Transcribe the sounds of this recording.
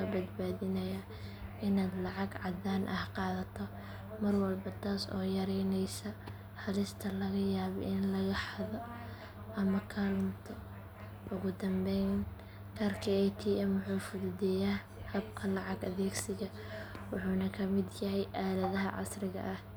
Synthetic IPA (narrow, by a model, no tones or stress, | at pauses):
ɐbɐd̪̚baːðɪnɐjɐ | ɪnaːd̪lɑʕɑɡʕɑd̪aːnʔɐhqɑːðɐt̪ʰɔ | mɐrwɐlbɐt̪ʰaːsɔ̰ːjɐɾɛjnɛjsɐ | hɐlɪst̪ʰɐlɐɣɐjaːβɔ̰ʔɪnlɐɣɐħɑðɔ | ʔɐmɐkʰalmt̪ʰɐ | ʔʊɣʊd̪ɐmbɛjn | kʰɐːrkʰiɛjt̪ʰiːɛmʊħuːfʊðʊdɛjaː | hɐb̚kʰɐlɑʕɑɡɐðɛːɡsɪɣɐ | wʊħuːnɐkʰɐmɪd̪jɐɦɛjʔaːlɐðɐɦɐʕɑ̰srɪɣɐ̰ʔɐh